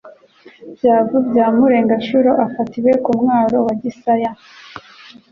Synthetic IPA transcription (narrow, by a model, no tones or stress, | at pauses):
bjaːvubjaːmuɾe̞ːŋɡaʃuɾoʔafatiwe̞kumŋaːɾo̞waɟisaja